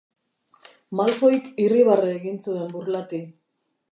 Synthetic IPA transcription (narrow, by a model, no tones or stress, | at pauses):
malfoikiriβareːɣint͡sue̞mbuɾlat̪i